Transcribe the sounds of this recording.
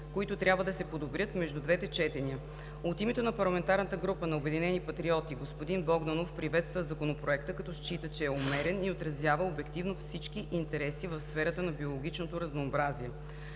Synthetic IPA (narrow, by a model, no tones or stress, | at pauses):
koit̪ot̪ɾʲjabvəd̪ɐsɛpod̪obɾʲɤt̪mɛʒd̪ud̪vɛt̪ɛt͡ʃɛt̪ɛniə | ot̪imɛt̪onɐpɐɾlˠɐmɛnt̪aɾnət̪əɡɾupənɐobɛd̪inɛnipɐt̪ɾiɔt̪iɡospod̪inbɔɡnanofpɾivɛt̪st̪vəzɐkonopɾoɛkt̪əkɐt̪ɔʃt͡ʃit̪ət͡ʃɛːomɛɾɛniot̪ɾɐzjavəobɛkt̪ivnofsit͡ʃk̟iʔint̪ɛɾɛsivɐfsfɛɾət̪ənɐbiolˠoɡʲit͡ʃnot̪oɾɐznoːbɾaziɛ